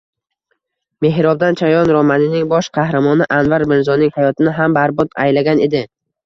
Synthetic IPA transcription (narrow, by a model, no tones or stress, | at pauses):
me̞ɦɾɒb̚d̪ant͡ʃʰajɒnɾɒmanɪnɪŋbɒʃqʰɑhɾamɒnɪʔanvaɾbɪnzɒnɪŋhajɒt̪ʰɪnɪɦambaɾbɒt̪a̰jlaɡʲane̞d̪ɪ